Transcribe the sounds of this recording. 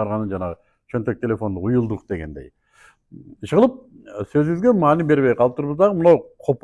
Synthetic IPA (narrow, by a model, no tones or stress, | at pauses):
ɑɾʁɑnɯnd͡ʒɑnɑʁə | t͡ʃʰønt̪ø̞k̚t̪ʲʰe̞lʲe̞fo̞nd̪ujulˠd̪uqd̪e̞ɡe̞̰nd̪ej | ʃʁəlˠəp̚søzyŋyzɡʲemɑːnibe̞ɾβe̞jqʰɑlˠəp̚t̪uɾβəzd̪ɑʁəmʊnɑwqʰop